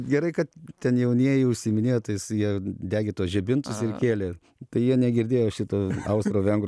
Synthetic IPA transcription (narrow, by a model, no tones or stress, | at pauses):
ɡʲɛɾɐɪkɐt̪t̪ʲɛnjɛʊnʲiɛjɛɪʊʃʲsʲiːmʲɪnʲeːjot̪oːjɪsjiɛd̪ʲæːɡʲeːt̪uɔsʒʲɛbʲɪnt̪ʊsɪrkʲeːlʲeː | t̪ɐɪjiɛnʲɛɡʲɪɾʲd̪ʲeːjoːʃʲɪt̪oːɐʊst̪ɾoːʋʲɛŋɡɾ